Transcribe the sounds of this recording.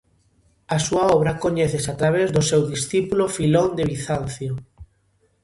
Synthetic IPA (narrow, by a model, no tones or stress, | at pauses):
asuaɔβ̞ɾakoɲeθesat̪ɾaβ̞ezðʊsewðisθipulofilond̪eβiθanθjo